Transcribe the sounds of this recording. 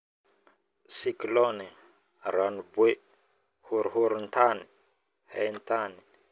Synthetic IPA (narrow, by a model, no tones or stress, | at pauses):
siklɔne | ɾanbwe | huɾhuɾnt̪ani | hɛ̰nt̪ani